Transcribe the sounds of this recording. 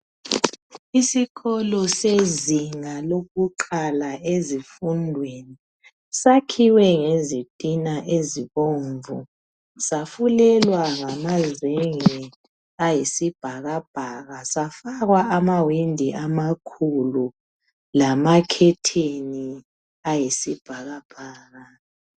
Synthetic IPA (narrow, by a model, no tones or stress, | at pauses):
isikʰɔlɔseziŋaloɣuǃalaʔezifundʱweni | sakʰiwɛŋezitʼinaʔeziβoːɱvu | safulɛlwaŋamazeŋɛ | ajesib̥ʱaɣab̥ʱaɣasafaɣwaʔamawindʱiʔamakʰulu | lamakʰɛtʰeni | ajesib̥ʱaɣab̥ʱaːɣa